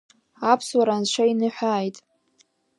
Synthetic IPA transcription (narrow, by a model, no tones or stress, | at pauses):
apʰswaɾanʃʷʰainɨħʷᶣaːjtʼ